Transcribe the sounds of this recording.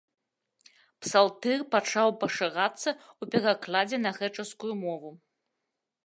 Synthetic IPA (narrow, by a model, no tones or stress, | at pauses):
psalˠt̪ɛrpat͡ʂawpɐʂaɣat̪sːɐupʲɛɣaklˠad͡zʲɛnɐɣɛt͡ʂɐskujumɔvu